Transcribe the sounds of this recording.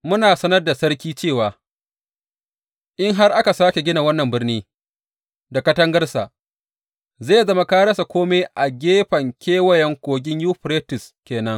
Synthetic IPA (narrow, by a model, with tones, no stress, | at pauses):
mʊ˦naː˨sɐ˦nɐ˦rda˨sɐ˦ɾkʲiː˦t͡ʃeː˦˨waː˨ | ʔɪ˦ŋɦa˦rʔa˦ka˨saː˦kʲe˨ɡʲɪ˦na˨wɐ˦nːɐ˨mbɪ˦rniː˦ | da˨kɐ˦tɐ˦ŋɡɐ˦rsa˨ʔ | zeː˦˨zɐ˦ma˦kaː˦ɽɐ˦sa˨kʷoː˦me˦ʔa˨ɡʲeː˦ɸɐ˨ŋkʲeː˦wɐ˨jɛ˨˦ŋkʷoː˨ɡʲɪ˦ɲjuː˦ɸɾeː˦tɪ˨skʲeː˨nɐ˦ŋ